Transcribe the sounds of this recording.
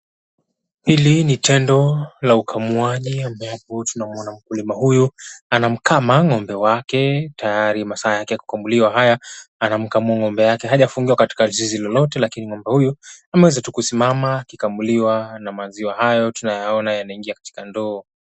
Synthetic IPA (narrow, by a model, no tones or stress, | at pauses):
hilinitɛndɔlaukʰamuaʄiambɛapɔtunamuɔnam̩kulimahujuanam̩kamaŋɔmbɛwakɛtajaɾimasaːjakɛku̥kambuliwaɦajaanam̩kamuaŋɔmbɛjakɛɦaʄafuŋɡiwakati̥kalzizilɔlɔtɛlakiniŋɔmbɛhujuamɛwɛzatukusimamaːkikambuliwanamaziwahajɔtunajaɔnajanaiŋɡiakḁti̥kandɔː